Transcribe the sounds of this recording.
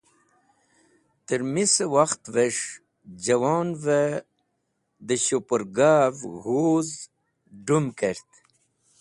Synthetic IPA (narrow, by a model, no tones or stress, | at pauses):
t̪əɾmisəwaxt̪vəʂ | d͡ʑawɑːnvə | d̪əɕopəɾɡaːvɣhoz | ɖumkəɾt̪